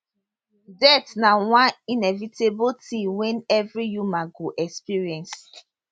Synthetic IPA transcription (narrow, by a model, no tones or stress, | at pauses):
dɛtnawãninɛvitebotʰiwɛ̃nɛvɹijumaɡoʔɛkspiɹiɛ̃ns